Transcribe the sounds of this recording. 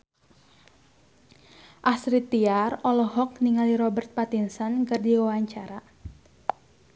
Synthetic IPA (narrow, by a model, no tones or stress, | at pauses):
ʔasɾit̪iarɔlɔɦɔk̚niŋaliɾɔbərt̪̚pat̪insankərdiwawaɲt͡ʃaɾa